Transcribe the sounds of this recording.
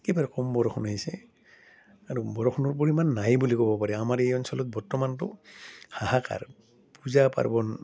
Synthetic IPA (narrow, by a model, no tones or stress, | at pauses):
kibaɹɛkɔmbɔɹɔxʰɔnaɦisɛ | aɹubɔɹɔxʰɔnɔɹp̬oɹimanːajbulikɔbɔpaɹɛamaɹejɔnsɔlɔt̪̚bɔɹtɔmantʊhahaka̰ɹ | puzapa̰ɹbɔn